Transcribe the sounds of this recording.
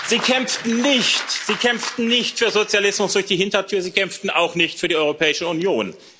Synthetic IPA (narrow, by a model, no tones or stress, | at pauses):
z̥iːkʰɛmftn̩nɪçtz̥iːkʰɛmp͡ftn̩nɪçtfyːɐzot͡sjalɪsmʊsd̥ʊɐçd̥iːhɪntɐtʰyːɐziːkʰɛmftn̩ʔaʊxnɪçtfyːɐiːɔʏʁopʰɛːɪʃəunjoːn